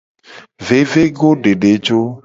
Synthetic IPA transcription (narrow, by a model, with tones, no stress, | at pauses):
ve˨˦ve˦ɡo˦ɖe˨ɖe˨˦d͡ʒo˦